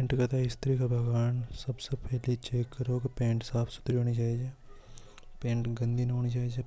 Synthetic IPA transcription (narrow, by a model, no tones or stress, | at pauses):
pẽːɳʈkɐt̪ʰaɪst̪ʰɾikabʱɐɡaːnsɐbsepʰɛɦlit͡ʃeːkːɐɾoːkepẽːɳʈsaːpʰsʊ̥t̪ɾiɦoːnid͡ʒaːid͡ʒeː | pẽːɳʈɡɐ̃nd̪ʱinɐɦoːnit͡ʃaːid͡ʒe